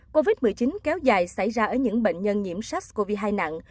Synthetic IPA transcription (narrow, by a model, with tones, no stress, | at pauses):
ko˧vi˦˥t̚mɨ˨˩əjt͡ɕï˨˦nkɛ˨˦wzaː˨˩jsa˧˩jzaː˧ʔəː˧˩jɲɨ̰˧˥ŋɓḛ˧˨ŋ̟ɲə˧nɲḭ˧˩əmsa˦˥k̚ko˧vi˧ɦaː˧jna̰˧˨ŋ